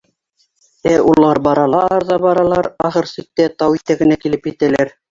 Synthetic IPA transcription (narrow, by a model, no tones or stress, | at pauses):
æulˠɑɾbɑɾɑlˠɑɑɾðɑbɑɾɑlˠɑɾɑχɤɾsik̪̚ːæt̪ɑwit̪æɡɘ̆nækilɘpjɘ̆t̪ælæɾ